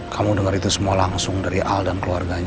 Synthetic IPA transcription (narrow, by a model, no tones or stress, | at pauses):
kʰamudəŋaɾit̪usəmualaŋsʊŋdaɾiʔaldankəluarɡaɲ